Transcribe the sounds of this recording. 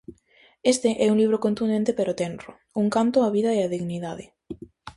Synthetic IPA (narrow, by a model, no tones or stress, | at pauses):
est̪eʔɛuŋliβɾokõnt̪und̪ent̪epeɾot̪enro | uŋkant̪oaβ̞iðaeaðiɣniðaðe